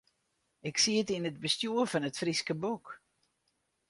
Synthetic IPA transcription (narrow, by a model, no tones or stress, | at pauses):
ɪksiətinəd̚bəstjuəfɑnətfriskəbuk